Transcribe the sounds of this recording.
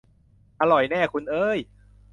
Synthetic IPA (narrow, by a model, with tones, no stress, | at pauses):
ʔa˧lɔ˨˩jnɛː˥˩kʰu˧nʔɤː˧˥j